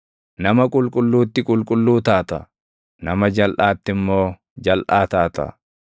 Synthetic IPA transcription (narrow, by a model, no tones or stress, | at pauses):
nɐmɐkʼʊlkʼʊlːuːt̪ːɪkʼʊlkʼʊlːuːt̪aːt̪ɐ | nɐmɐd͡ʒɐlʔaːt̪ːɪmːo̞ː | d͡ʒɐlʔaːt̪aːt̪ɐ̰